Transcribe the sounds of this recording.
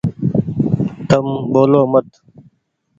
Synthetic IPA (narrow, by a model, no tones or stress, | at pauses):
t̪əmɓoːloːmət̪